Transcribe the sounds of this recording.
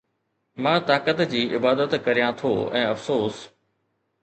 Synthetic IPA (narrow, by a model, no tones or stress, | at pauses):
mãːt̪aːkət̪d͡ʑiːɪbaːd̪ət̪kɐɾijãt̪ʰoɛ̃ːɐfsoːs